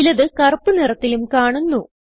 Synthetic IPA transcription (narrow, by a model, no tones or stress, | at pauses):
lɐðɨkɐrpːɨnirɐt̪ːilumkaːɳunːu